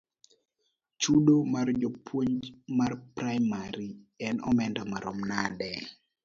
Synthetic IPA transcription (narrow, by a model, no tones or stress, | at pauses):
t͡ʃudomard͡ʒɔpwoɲd͡ʒmarpɾajmaɾiɛnɔ̰mɛndamaɾɔmnadɛ